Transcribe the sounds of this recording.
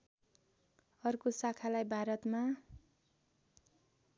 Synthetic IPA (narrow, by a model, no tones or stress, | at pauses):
ʌrkosakʰalajbʱaɾʌt̪ma